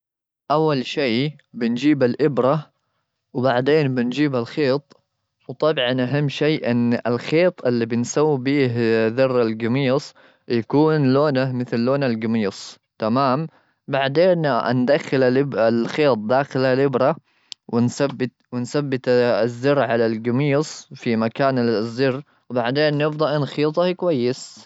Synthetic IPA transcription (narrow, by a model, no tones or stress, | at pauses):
ʔawːalʃiː | bɪnd͡ʒiːbalʔɪbɾa | wbaʕd̪eːnbɪnd͡ʒiːbalxeːt̪ˤ | wt̪ˤɑbʕɑnʔaɦamːʃeːʔɪnːɪlxeːt̪ˤʔɪlːibɪnsawːibiːhðɑrˤːalɡamiːsˤ | jakuːnloːnamɪθlːoːnalɡamiːsˤ | t̪amaːm | baʕd̪eːnnd̪axːɪlaɪbalxeːt̪̚ˤd̪aːxɪlhalɪbɾa | wɪnsabːɪt̪wɪnsabːɪt̪zːɑrːʕalalɡɪmiːsˤfimakaːnzːɪrː | wbaʕd̪eːnːɪfd̪ˤɑʔɪnxiːt̪ˤɑhkwajːɪs